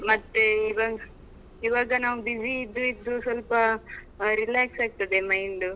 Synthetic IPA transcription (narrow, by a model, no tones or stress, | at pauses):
mɐt̪ːeiʋaːɡɐ | iʋaːɡɐnaːʋubid͡ʒiːd̪ːuid̪ːusʋɐlpɐ | ɾilaːksaːɡ̚t̪ɐd̪emɐjɳɖu